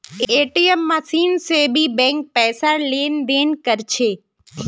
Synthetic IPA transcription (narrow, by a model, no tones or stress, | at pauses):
eʈiemːasinsebʱibɛ̃ŋk̚pɛːsalend̪enkəɾt͡ʃʰe